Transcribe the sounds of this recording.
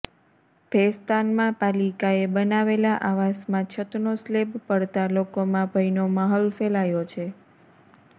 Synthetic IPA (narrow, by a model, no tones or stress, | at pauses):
b̥ʱest̪anmãpalikaebənaʋelaʔaʋasmãt͡ʃʰət̪noslebpəɽt̪alokomãbʱəjnoməɦəlfelajot͡ʃʰe